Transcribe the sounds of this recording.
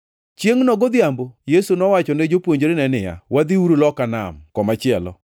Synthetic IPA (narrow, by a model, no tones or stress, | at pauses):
t͡ʃjeŋnɔɡod̪jambojesunɔwat͡ʃɔned͡ʒopwoɲd͡ʒɾenɛnɪja̰wad̪iuɾulɔkana̰mkɔmat͡ʃɪɛlɔ̰